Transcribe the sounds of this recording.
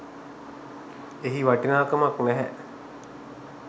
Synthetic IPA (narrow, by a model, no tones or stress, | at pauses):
eɦiʋaʈinaːkɐmaknæɦɛʔ